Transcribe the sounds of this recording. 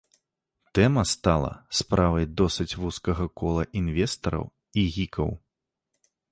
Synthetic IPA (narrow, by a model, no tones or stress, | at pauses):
t̪ɛmɐst̪alˠɐ̰spɾʔavɐjd̪ɔsɨt͡sʲvuskɐɣɐkɔlˠɐʔinvʲɛst̪ɐɾɐ̰w | iɣʲikʰɐ̰w